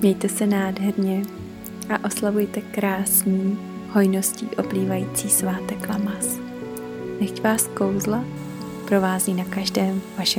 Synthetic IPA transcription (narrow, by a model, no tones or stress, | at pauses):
mɲɛjt̪ɛsɛnaːdɦɛɾɲɛ | ʔaʔo̞slavujt̪ɛkɾaːsɲiː | ho̞jno̞sciːʔo̞pliːvajiːt͡siːsvaːt̪ɛklamas | nɛxcvaːsko̞wzla | pɾo̞vaːziːnakaʒdɛːmvaʃɛ